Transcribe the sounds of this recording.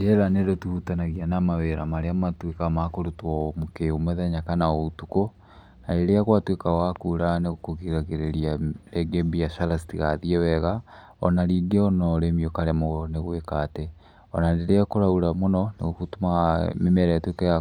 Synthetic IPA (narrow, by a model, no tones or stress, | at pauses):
dɛɾaneɾotuhutanaɣianamaweɾamaɾeamatwekamakoɾutwɔmokeomɛðɛɲakanaoutuko | naɾeɾeaɣwatwekawakuɾaneɣokoɣiɾaɣeɾeɾiaɾɛɡebijaʃalasi̥tiɣaðiɛwɛɣa | ɔ̰naɾiːɡeɔnɔɾemiɔkaɾɛmɔneɣwekaːtɛ | ɔnandeɾeakoɾauɾamonɔnḛɣokutumamemɛɾaatwekaja